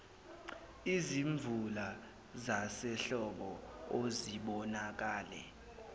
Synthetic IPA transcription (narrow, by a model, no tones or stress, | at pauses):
iziɱvula | zasɛɬɔɓɔoziɓɔnak̬aːlɛ̰